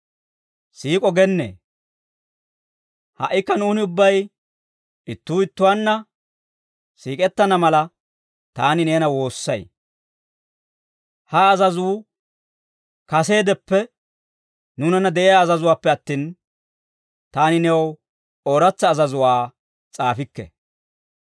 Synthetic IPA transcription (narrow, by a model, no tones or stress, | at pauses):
siːkʼɔɡɛnːḛː | hɐ̰ʔːɪkːɐnuːnɪʊbːɐj | ɪt̪ːuːɪt̪ːʊwanːɐ | siːkʼɛt̪ːɐnɐmɐlɐ | t̪aːnɪne̞ːnɐwo̞ːsːɐj | hɐːzɐzʊː | kɐse̞ːd̪ɛpːɛ | nʊnɐnːɐd̪ɛʔejaːzɐzʊwaːpːɛɐt̪ːiːn | t̪aːnɪnɛw | oːɾɐt͡sːɐːzɐzʊwaː | t͡sʼaːfɪkːɛ̰